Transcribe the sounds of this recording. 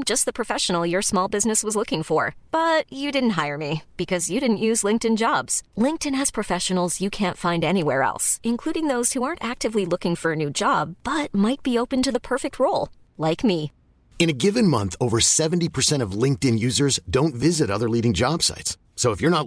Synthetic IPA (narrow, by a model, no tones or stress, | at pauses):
md͡ʒʌst̪̚ðəpʰɹ̥ɨfɛʃn̩l̩ˠjə˞smɔlˠbɪznɨswʌzlʊkɪ̃ŋfə˞b̥ʌt͡ʃɨdɪdⁿn̩t̚ɦaɪə˞mib̥ɨkʰʌzjɨɾɪdⁿn̩ʔjʉzlɪ̃ŋktɨ̃nd͡ʒɑbz̥lɪ̃ŋk̚tɨ̃nɨz̥pʰɹ̥ɨfɛʃɨn̩l̩ˠz̥jɨkʰæ̃ntfãɪ̃ndɛniwɛɹɛ̰lˠsɨ̃nkʰl̥uɾɪ̃ŋðoʊz̥huɑɹntæk̚tɨvlilʊkɪ̃ŋfə˞ɨnʉd͡ʒɑb̥ːʌt̚maɪt̚b̥ioʊpɨ̃ntɨðəpʰɜ˞fɨk̚t̚ʰɹoʊlˠ | laɪkmi | ɨ̃ñɨɡɪvɨ̃nmʌ̰̃nθoʊvə˞sɛṽn̩tipʰə˞sɛ̃ɾ̃ʌvlɪ̃ŋk̚tɨ̃njʉzə˞zdõʊ̃ntvɪzɨɾʌðə˞liɾɪ̃ŋd͡ʒɑb̥sa̰ɪtsː | oʊəfjə˞nət̚